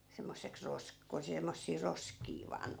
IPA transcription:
semːosːeks rosk ko semːosːiː roskiː ʋɑːn

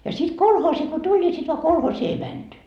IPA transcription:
jɑ sit kolhoːsi ko tulʲ ni sit ʋɑ kolhoːsiː ei mænty

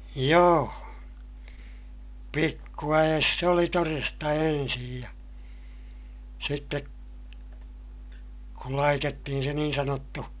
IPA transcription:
joː pikːuæj̆es se oli torestɑ ensij jɑ sitːe kul lɑitetːihin se niːn sɑnotːu

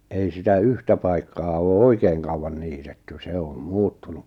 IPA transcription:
ei sitæ yhtæ pɑikːɑː oː oikeːŋ kɑuwɑn niːtetːy se om muːtːunu

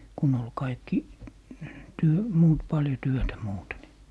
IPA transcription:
kun ol kɑikːi tyø muːt pɑljo tyøtæ muːte ni

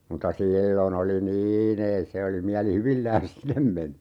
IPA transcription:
mutːɑ siːlːon oli niːn ei se oli miælihyʋilːæːn̞s sinem meni

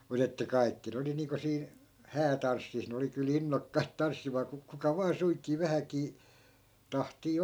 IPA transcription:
mut etːæ kɑi̯kːi ne oli niːŋko siːn̞ hæːtɑnsːis ne oli kyl inːokːɑit tɑnsːimɑː ku kukɑ ʋɑː suiŋkiː ʋæhækiː tɑhtiː

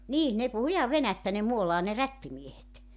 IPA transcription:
niː ne puhu ihɑʋ ʋenætːæ ne muolɑː ne rætːimiehet

